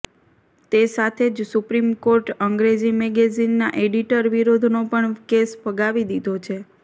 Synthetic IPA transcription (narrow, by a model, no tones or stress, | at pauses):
t̪esat̪ʰed͡ʒsupɾimkoɾʈəŋɡɾed͡ʒimɛɡezinːaʔeɖiʈəɾʋiɾod̪ʱnopəɳkesfəɡaʋid̪id̪ʱot͡ʃʰe